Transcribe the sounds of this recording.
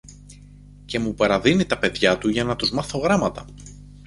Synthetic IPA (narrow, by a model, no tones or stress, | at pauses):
ce̞mupɐɾɐðinit̪ɐpe̞ðʝɐt̪uʝɐnɐt̪uzmɐθo̞ɣɾɐmɐt̪ɐ